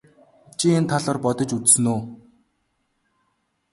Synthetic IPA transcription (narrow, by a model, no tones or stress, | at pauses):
t͡ɕʰient̪ʰaɮɔːrpɔt̪ɞ̆t͡ɕut͡ssɘ̆noː